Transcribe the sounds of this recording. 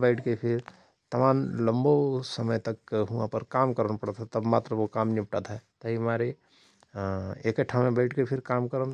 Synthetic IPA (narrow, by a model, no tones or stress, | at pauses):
bəɪʈʰkepʰɪɾ | t̪ɐmaːmlə̃mbosəməjt̪ɐkːɦuãpəɾkaːmkəɾənpəɽət̪ɦɛt̪ɐbmaːt̪ɾəʋokaːmnipʈət̪ɦɛt̪ɐɦimaːɾe | eːkəʈʰːamẽbəɪʈʰkepʰɪɾkaːmkəɾən